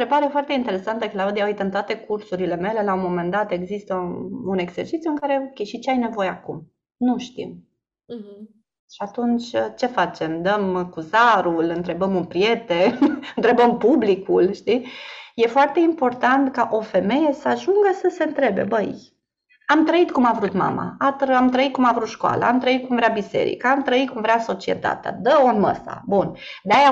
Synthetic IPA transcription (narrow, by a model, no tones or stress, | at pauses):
ɾebaɾe̞foart̪eint̪e̞ɾe̞sant̪əklaud̪ijaoujt̪əɨnt̪oat̪e̞kursuɾile̞me̞le̞laumo̞me̞nd̪at̪e̞ɡzist̪əune̞ɡz̥e̞̰rt͡ʃit̪sʲjuɨŋkaɾe̞okʲejʃit͡ʃeajne̞vo̞jeakum | nuʃt̪ḭm | ʃiat̪unt͡ʃʲət͡ʃe̞fat͡ʃe̞md̪əmkuzaɾulɨnt̪ɾe̞bəmɨnpɾije̞t̪enɨnt̪ɾe̞bəmpublikulʃt̪ije̞foart̪e̞impo̞rt̪ant̪kaʔo̞fe̞me̞je̞səaʒuŋɡəsəse̞ɨnt̪ɾe̞be̞̰bəj | amt̪ɾəit̪kumavɾut̪ma̰ma̰at̪ɾamt̪ɾəit̪̚kumavɾut̪ʃkoa̰lə̰amt̪ɾəit̪̚kumvɾeabisḛɾḭkaamt̪ɾəit̪̚kumvɾeaso̞t͡ʃie̞̰t̪a̰t̪ea̰d̪əonmə̰sa̰bund̪eaja